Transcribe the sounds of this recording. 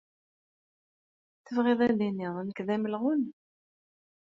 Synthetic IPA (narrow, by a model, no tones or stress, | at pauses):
θəvʁeðˤænd̪iniðˤnəkðæməlʁʊn